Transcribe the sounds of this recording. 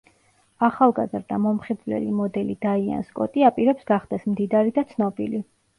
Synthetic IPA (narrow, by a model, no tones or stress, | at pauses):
aχalˠɡazɾd̪amɔmχid̪vlɛ̰limɔd̪ɛlid̪aia̰nskʼɔ̰t̪ʼiapʼiɾɛpsɡaχd̪̥ɛsmd̪id̪aɾid̪at̪sʰnɔbili